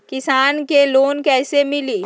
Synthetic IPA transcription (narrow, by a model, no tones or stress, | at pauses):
kɪsaːnkeloːnkɛːsemɪliː